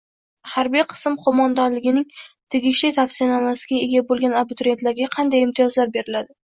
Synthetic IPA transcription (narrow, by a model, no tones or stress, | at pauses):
haɾbijqʰɨ̥smqʰomɒnd̪anlɪɡʲɪnɪŋt̪ʰeɡʲɪʃlɪjt̪ʰafsɪijanamasɪɡʲaeɡʲabolˠɡʲanabʊt̪ɾet̪laɾɡʲaqʰɑnd̪ajɪmt̪ʰɪjɒzlaɾbe̞ɾɪlad̪ɪ